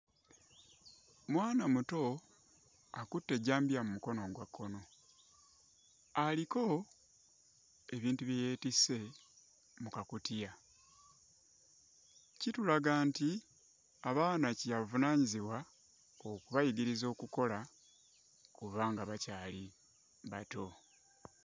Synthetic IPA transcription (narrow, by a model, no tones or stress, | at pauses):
mwaːnamuto̞ | akutːe̞ɟaːmbijamumuko̞no̞ɡwakʰːo̞no̞ | aliko̞ | e̞βiːntuβjeje̞ːtise̞ | mukakutija | citulaɡaːnti | aβaːnacijavunaːɲiziβwa | okuβajiɡiɾizo̞ːkuko̞la | kuβaːŋɡaβacaːli | βato̞